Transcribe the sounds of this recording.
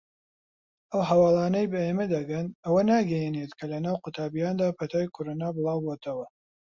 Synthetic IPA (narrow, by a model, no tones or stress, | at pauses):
ɐwɦɐwɑːlˠɑːnɐjbɐeːmɐd̪ɐɡɐnɐwɐnaːɡɐjenet̪kʰɐlɐnaːwqʊt̪ʰaːbijaːnd̪aːpʰɐt̪ʰaːjkʰʊɾonaːbɨlˠɑːwboːt̪ʰɐwɐ